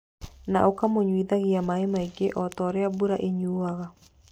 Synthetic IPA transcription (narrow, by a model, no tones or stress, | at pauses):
naʔokamoɲwiðaɣiamaemaiɡeʔɔt̪ɔɾɛabuɾaʔeɲuaɣa